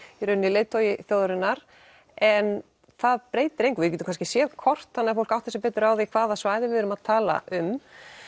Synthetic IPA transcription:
iɾʏnːɪlejt̪owjɪθjowðʏɾɪnːaɾ̥ | ɛn | θaðpɾeːjt̪ɪɾẽjŋkvɪcɛt̪m̥kʰanscɪ̥sjɛðkʰɔr̥t̪θanɪafowl̥kawht̪θɛsɪpɛːt̪ʏɾawðɪkʰv̥aːðasvaːjðɪvɪðʏɾʏmaðt̪ʰaːla̰ʔʏm

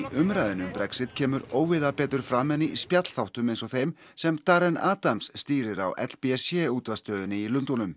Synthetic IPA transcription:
iʔʏmɾajðɪnʏmpɾɛksɪt̪cʰɛːmʏɾoːwvɪðapɛːt̪ɾʏɾfɾaːmɛnːɪʔispjat̪l̥θawht̪ʏmejnsɔθejm | sɛmt̪aɾɛnaːt̪amsːt̪iːɾɪɾa̰wʔɛ̰t̪l̥piɛsjɛuːt̪vast̪œːðʏnɪilʏnt̪onʏm

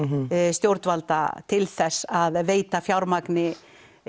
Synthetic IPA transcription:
st̪jowɾt̪valt̪a̰t̪ʰɪlθɛsːaðveːjt̪afjawɾmaknɪ

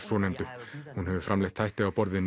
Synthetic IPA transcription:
sɔːnɛjmt̪ʏhunɦɛvʏfɾʔamlɛjxt̪ʰajht̪ɪawpɔɾðɪn

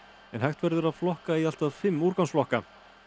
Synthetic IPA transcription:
ɛnhajht̪vɛɾðʏɾaðflɔhkaial̥t̪aðfɪmːuːɾkawsflɔhka

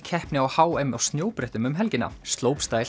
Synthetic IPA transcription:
cʰɛhpnɪawhaːwejmawst̪njoːwpɾɛht̪ʏmʏmɦɛlcɪnːa̰st̪loːwpst̪aːjl

